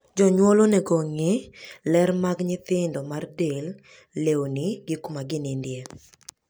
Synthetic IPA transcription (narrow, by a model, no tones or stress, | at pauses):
d͡ʒɔɲwɔlonɛɡoŋɪlɛɾmaɡɲɪt̪ɪndɔmardel | lewonɪɡɪkumaɡɪnɪndje